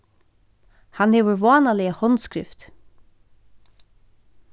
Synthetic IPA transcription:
hanhɛːʋəɾvɔːnalɛahɔnskɾɪ̰ft̪

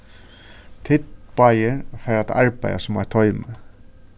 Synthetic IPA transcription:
t̪ʰɪt̪pajəɾfɛːɾat̪ʰa̰ɹpa̰ja̰sʊma̰t̪ʰɔʏmə

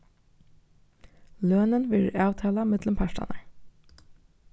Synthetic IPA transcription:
løːnənʋɪlɑːʋt̪ʰɑːlɑmɪd̪ləmpʰæʃʈɑ̰nə

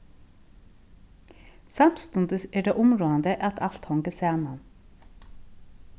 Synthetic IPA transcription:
sɑmst̪ʉnd̪əseːɖeːʔʊmɾoːɑnd̪əʔɑt̪ʰɑlt̪hɔŋɡəsæːmɑn

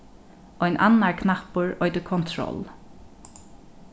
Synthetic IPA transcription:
ʔɔjnʔa̰nːaɹkʰnahpʊɹɔjt̪əkʰɔnt̪ʰɹɔ̰l

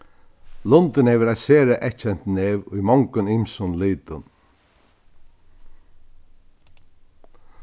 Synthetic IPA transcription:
lʊnt̪ɪnhɛːʋəɾaseːɾaʔɛt͡ʃɛnt̪neːʋʊ̰jmɔŋkʊnɪmsʊnliːt̪ʊn

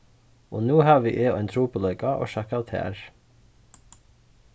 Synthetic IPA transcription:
ʔoːnuːhɑːʋʋḭːʔeːɛɪnt̪ʰɾuːpʰoːlœʏkɑʔo̰ːʃɑkɑt̪hæ̰ːɾ

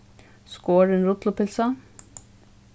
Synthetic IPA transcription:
skoːɖənɾʊt̪lʊpɪlsə

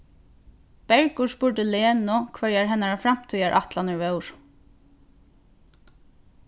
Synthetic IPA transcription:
b̥ɛɹkʊspʊɹt̪əleːnʊkʰvœɹjaɹɦɛnaɹafɾam̥t̪ʰʏjaʔaht̪lanəɹvœwɹ̥

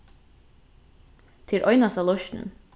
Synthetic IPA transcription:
t̪ʰɪɾʔɔʏnɑsɑlɔʃʈɳə̰n

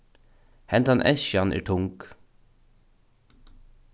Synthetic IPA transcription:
hɛnt̪anʔɛ̰ʃanʔɛ̰ːɹʈʰʊŋk

